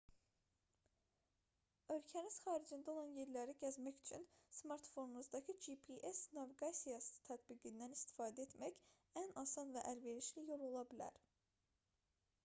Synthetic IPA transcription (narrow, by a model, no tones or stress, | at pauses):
ø̞lcʰæniz̥xɑːɾid͡ʒind̪ao̞lˠɑnje̞ɾlæɾiɟæzmæçy̥t͡ʃʰynsmɑɾt̪fo̞nunuzd̪ɑcʰɯd͡ʒipʰiʔesnɑviɡɑsijɑsɯ̥t̪ʰæt̪biɡind̪ænist̪i̥fɑːd̪æet̪mæç | ænɑsɑnvæʔælve̞ɾiʃlijo̞lˠo̞lˠɑbilæ̰ɾ